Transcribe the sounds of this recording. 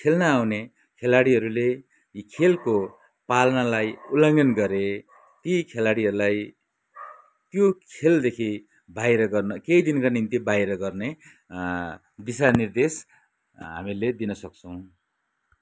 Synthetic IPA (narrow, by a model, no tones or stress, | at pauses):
kʰelnʌawne | kʰelaɽiɦʌɾule | ikʰelko | palnalajulʌŋɡʌnɡʌɾe | t̪ikʰelaɽiɦʌɾulaj | t̪jokʰeld̪ekʰi | bʱajɾʌɡʌrnʌkejd̪inkanint̪ibajɾʌɡʌrne | bisanird̪es | ɦa̰miled̪inʌsʌk̚t͡sʰʌw̃